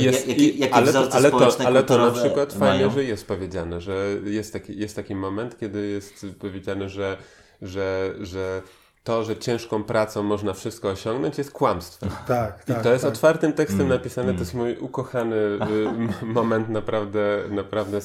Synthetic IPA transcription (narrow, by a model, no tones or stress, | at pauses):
ijɛijakalɛlɛt̪alɛt̪ɔnapʂɘkwat̪ffajɲɛʐɛjɛst̪̚pɔvʲjed͡ʑanɛʐɛjɛst̪ːakʲijɛst̪ːakʲimɔmɛnt̪kʲɛd̪ɘjɛst̪pɔvʲjed͡ʑanɛʐɛ | ʐɛʐɛ | t̪ɔʐɛt͡ɕɛ̃w̃ʂkɔ̃w̃pɾʔat̪sɔ̃w̃mɔʐnafʂɘst̪kɔːɕɔ̃ŋɡnɔɲt͡ɕjɛst̪̚kwamst̪fɛ̰mt̪akit̪ɔjɛst̪ɔt̪faɾt̪ɘmt̪ɛkst̪ɛmnapʲisanɛt̪ɔjɛst̪mujukɔxanɘ | mɔmɛnt̪napɾavd̪ɛnapɾavd̪ɛ